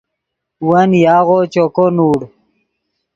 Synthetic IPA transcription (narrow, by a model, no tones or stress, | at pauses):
wɐnjaːɣot͡ɕokonuːɽ